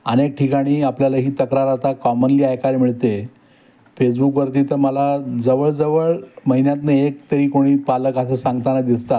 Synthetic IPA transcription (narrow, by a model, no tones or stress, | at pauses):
ənek̚ʈʰikaɽ̃iːapljalaɦiːt̪əkɾaɾat̪akɔmənliːajkaɾmiɭt̪e | fesbukʋəɾt̪iːt̪əɾməlad͡zəʋəɭd͡zəʋəɭməɦinjat̪neekt̪əɾiːkoɽ̃iːpaləkas̬esãŋɡt̪anad̪ist̪at̪